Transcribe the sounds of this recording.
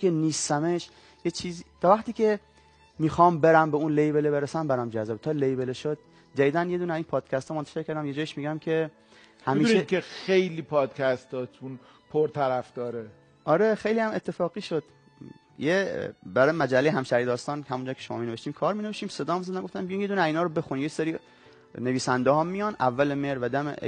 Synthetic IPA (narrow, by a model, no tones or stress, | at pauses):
keniːst̪æmeʃ | jet͡ʃʰiːziːt̪ʰɒːvæχt̪iːkcʰe̞ | miːxɒːmbeɾæmbeunlejbelebeɾesæmbæɾɒmd͡ʒæzɒːbet̪ʰɒːlejbeleʃod̪̚ | d͡ʒæviːd̪ænje̞d̪uːneæziːnpʰɒːd̪̥cʰæst̪ɒːmont̪æ̥ʃe̞ɾkʰæɾd̪æmjed͡ʒɒːjiʃmiɡæmkʰe̞ | hæmiːʃekexejliːpʰɒːd̪̥kʲʰæst̪ʰɒt̪ʰun | pʰoɾt̪ʰæɾæfd̪̥ɒːɾe | ʔɒɾexejlihæmet̪ʰːe̞fɒːɣiːʃod̪̥ | jebæɾɒːjemæd͡ʒælːejeɦæmʃæɾid̪ɒːst̪ɒːnhæmund͡ʒɒːkʰeʃomɒ̰mineveʃt̪iːmkʰɒːɾmineeʃt̪iːmsed̪ɒːhmzæd̪æmɡoft̪æmbijunje̞d̪uːnæziːnɒːɾobe̞xuninjeseɾiː | neviːsænd̪eɦɒmːijɒnʔævːælemeɾvæd̪æmḛ